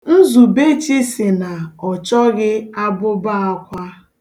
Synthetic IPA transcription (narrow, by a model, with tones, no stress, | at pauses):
n̩˦zu˨be˦t͡ʃi˦sɪ˨na˨ɔ˨t͡ʃɔ˦ɣɪ˦a˦bʊ˦ba˦a˦kʷa˦